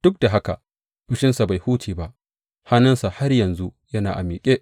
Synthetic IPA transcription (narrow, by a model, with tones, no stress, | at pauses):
d̥ʊ˦k̚da˨ɦa˦ka̰˨ | ɸʊ˦ʃɪ˦nsa˨ba˨jhuː˦tʰiː˨ba˦ʔ | ha˦nɐ˦nsa˨ha˦rjɐ˨nzu˦jɐ˦naː˨ʔa˨miː˨kʲʼeː˦ʔ